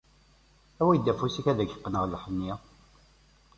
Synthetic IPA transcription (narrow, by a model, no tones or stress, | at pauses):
æwæjəd̪ːæfusiçæðæɡə̥qːnəʁləħənːi